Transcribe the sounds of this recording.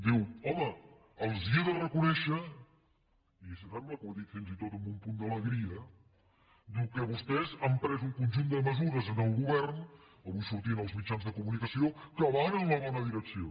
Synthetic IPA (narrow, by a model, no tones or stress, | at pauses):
d̪iwɔməː | lˠziəðərəkunɛʃə | isət̪aɾləkuðitfinzit̪ot̪əmbumpund̪ələɣɾiə | d̪iwkəβust̪ɛzampɾɛzuŋkunʲʒund̪əməzuɾəzənəlˠɣuβɛrn | əβujsuɾt̪inəlˠzmit͡ʃanzðəkumunikəsiokəβanənləβɔnəðiɾəksio